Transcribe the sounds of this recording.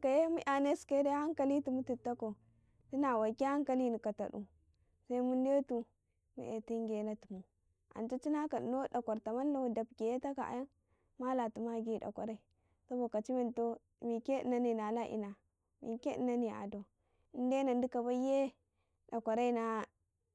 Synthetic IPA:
ka˨je˦mu˦ʔa˨ne˦ske˦de˦ha˦ŋka˨li˦tu˨mu˦ti˨tːa˦ko˨ | ti˦na˨wa˨kʲi˦ha˦ŋka˨li˦ni˨ka˨ta̰˨ɗṵ˨ | sa˦i˦mu˦ndtu˨ | mḭ˦e˨ti˦ŋɡe˨na˦tu˨mu˨ | a̰˨nto˦t͡ʃi˦na˦ka˨ɗi˨no˦da˨kʷa˨ɾta˨ma˦lːo˦da˨bɡʲe˨je˦ta˦ka̰˨ʔa̰˨ja˦n | ma˦la˨tu˨ma˦ɡi˦da̰˨kʷa̰˨ɾa˦i˨ | so˦bo˨ka˨t͡ʃi˦me˨nto˦˨ | mi˨ke˦ḭ˨na˦ni˨na˨la˦ʔḭ˨na˨ | mḭ˨ke˦i˦na˦ni˨a̰˨do˨ | i˨nde˦na˨n˦di˦ka˨ba˦je˦ | da˨kʷa˨ɾa˦i˦na˨

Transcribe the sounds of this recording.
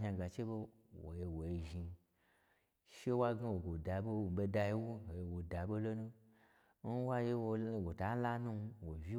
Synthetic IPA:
ɦa˧ɡa˨t͡ʃe˦bo˧ | wo̰˨je˧wo˨je˧ʒi˧ | ʃe˦wa˦ɡa˦wo˨ɡo˨da˨bo˦˨be˧da˧ji˦wo˦wo˨je˧wo˨da˨bo˦lo˦nũ˦ | n̩˦wa˦je˧wo˧˦˨ɡo˨ta˨˦la˦nũ˦˧wo˨vʲi˦

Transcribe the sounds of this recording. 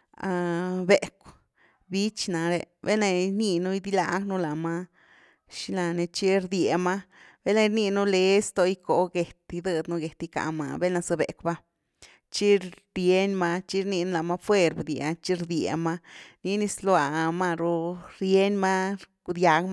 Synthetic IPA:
a˧be˨kʷ | bi˦t͡ʃna˨ɾe˧bḛ˦na˧ni˧nu˦i˧d̪i˦la˧ɡnu˦la˨ma˦ | ʃi˧la˧ne˧t͡ʃi˦ɾd̪je˨ma˦b̥e˦lna˧ɾni˧nu˦le˧˦st̪o˧i˦ko˨˧ɡe˨t̪i˧d̪ɨ˧d̪nu˧ɡe˨t̪i˧ka̰˧ma̰˧be˦lna˧sɨ˧bḛ˨kba˦ | t͡ʃi˦ | ɾje˦nma˧t͡ʃi˦ɾni˧nu˦la˨ma˦˧fwe˧ɾbd̪i˧˨a˧t͡ʃi˦ɾd̪jḛ˨ma˧ni˧ni˧slwa˧˨ma˦ɾo˧ɾje˦nma˦ku˧d̪ja˧ɡma˦

